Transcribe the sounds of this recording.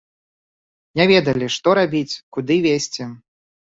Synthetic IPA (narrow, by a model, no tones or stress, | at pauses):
nʲɛvʲɛd̪ɐlʲiʂt̪ɔɾabʲit͡sʲkud̪ɨvʲesʲt͡sʲɛ